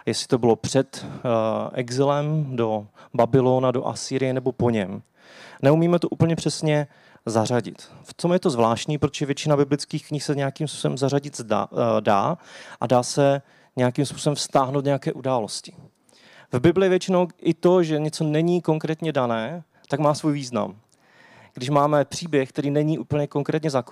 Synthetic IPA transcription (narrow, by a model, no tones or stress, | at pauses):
jɛsɪ̥t̪o̞bɪlo̞pr̝̥ɛt̪ | ʔɛɡzɪlɛmdobabɪlonadoʔa̰siːɾɪjɛnɛbo̞po̞ɲɛm | nɛumiːmɛt̪oʔuːpl̩ɲɛpr̥ɛsɲɛ | zar̝aɟɪ̰t̪ft̪omjɛt̪o̞zvlaːʃtɲiːpɾot̪oʒɛvjɛt͡ʃɪnabɪblɪt͡skiːxkɲiːxsɛɲɛjakiːmspu̥ːsobɛmzaraɟɪt̪da̰ːʔadaːsɛ | ɲɛjakiːmspuːsobɛmfst̪aːɦnowt̪ɲɛakɛːʔudaːlo̞scɪ̥ | vbɪblɪvjɛt͡ʃɪnowʔɪt̪o̞ʒɛɲɛt͡so̞nɛɲiko̞ŋkɾɛːt̪ɲɛdanɛː | t̪akmaːsvuːjviːzna̰m | ɡ̥dɪʃmaːmɛpr̝̥iːbjɛxk̚t̪ɛɾiːnɛɲiʔuːpl̩ɲɛko̞ŋkɾɛːt̪ɲɛzak